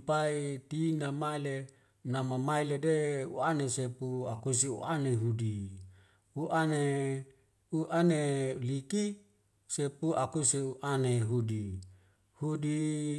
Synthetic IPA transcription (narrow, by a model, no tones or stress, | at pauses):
pait̪inamaile | namamailedeṵanesepuakus̬iṵʔaneɦudi | uʔane | uʔaneliki | sepuʔakusiuʔaneɦudi | hudi